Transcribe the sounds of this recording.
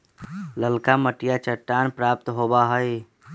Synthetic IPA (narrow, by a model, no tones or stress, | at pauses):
ləlkaməʈijat͡ʃəʈːaːnpɾaːp̚t̪ɦobaɦəj